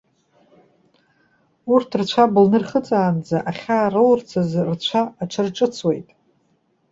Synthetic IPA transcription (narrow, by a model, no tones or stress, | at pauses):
urtʰrt͡ɕʷʰablnɨrχət͡sʼaːnd͡zaʔaχʲaːrolrt͡sʰazrt͡ɕʷʰaːʈ͡ʂʰɨrʈ͡ʂʼɨt͡sʰwe̞̰jtʼ